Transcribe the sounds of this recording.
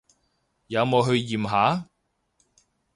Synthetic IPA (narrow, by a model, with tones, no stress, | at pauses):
jaː˨˧mɔː˨˧ɦɵ˧ɥjiː˨˩mɦaː˨˥